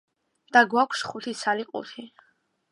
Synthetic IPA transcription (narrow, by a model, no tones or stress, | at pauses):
d̪̥aɡwakʷʰsχut̪ʰisʰaliqʼṵt̪ʰi